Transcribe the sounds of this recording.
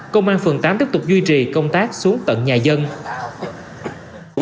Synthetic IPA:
kə˧wŋ͡mʔaː˧nfɨ˨˩ŋt̪aː˨˦mt̪i˦˥p̚t̪k͡p̚zwi˧t͡ɕi˨˩kə˧wŋ͡mt̪aː˦˥k̚su˨˦əŋt̪ə̰˧˨nɲaː˨˩zə˧n

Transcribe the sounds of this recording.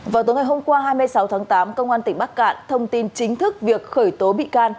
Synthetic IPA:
vaː˨˩wt̪o˨˦jŋ˨˩jɦo˧ŋ͡mkwaː˧ɦaː˧jmɨ˧əjsa˨˦wt̪ʰaː˨˦ŋt̪aː˨˦mkə˧wŋ͡mʔaː˧nt̪ï˧˩ŋ̟ɓaː˦˥k̚ka̰ː˧˨nt̪ʰə˧wŋ͡mt̪i˧nt͡ɕï˨˦ŋ̟t̪ʰɨ˦˥k̚vi˨˩ək̚xəː˧˩jt̪o˨˦ɓḭ˧˨kaː˧n

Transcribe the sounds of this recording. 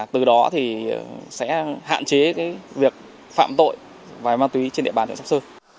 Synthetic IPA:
t̪ɨ˨˩ɗɔ˨˦t̪ʰi˨˩sɛ̰˧˥ha̰ː˧˨nt͡ɕe˨˦kaː˨˦jvi˨˩ək̚ | fa̰ː˧˨mt̪o̰˧˨j | vaː˨˩maː˧nt̪wi˨˦t͡ɕe˧nɗḭ˧˨ɓaː˨˩t͡ɕsa˦˥sɨ˧

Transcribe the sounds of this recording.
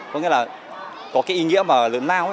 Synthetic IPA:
kɔ˧˦ŋḭ˧˥laː˨˩ | kɔ˨˦kaː˨˦jʔi˧ŋḭ˧˥əmaː˨˩lɨ̰˧˨ənlaː˧wʔa˨˦

